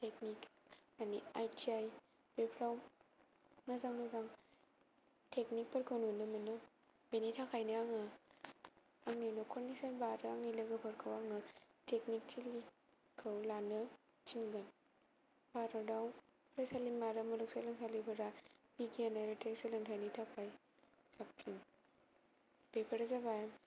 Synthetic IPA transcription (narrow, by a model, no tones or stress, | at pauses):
teknikaniajtiaj | bepʰɾaw | mɐzaŋmɐzaŋ | tʰeknik̚pɐɾkʰawnunɯmɐnɔ | benitʰakʰajnɯaŋa | aŋninɔkʰɔɾnisɐnbaɾɯaŋnilɐɡɯpʰɐɾkʰawaŋɯtʰeknik̚t͡ʃili | kʰɯwlanɯ | t͡ʃinɡan | baɾɔdawn | pʰɾasalimaɾɯmuluk̚salɐŋsalibɐɾabiɡianaɾeteɾsalɯŋtʰanitʰakʰaj | sak̚ɾiŋ | bepʰɐɾazabajm